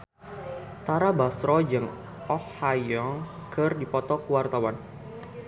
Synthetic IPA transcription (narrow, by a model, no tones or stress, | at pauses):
t̪aɾabasɾɔd͡ʒɨŋ | ɔhajɔŋkʰɨrdipɔt̪ɔkəwart̪awan